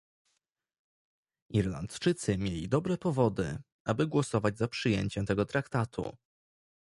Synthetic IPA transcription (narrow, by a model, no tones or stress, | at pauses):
ʔiɾla̰nt̪t͡ʂɘt̪sɘmʲjelʲid̪ɔbɾɛpɔvɔd̪ɘ̰ | ʔabɘɡwɔsɔvad͡ʑzapʂɘjeɲt͡ɕɛmt̪ɛɡɔt̪ɾakt̪at̪ʰṵ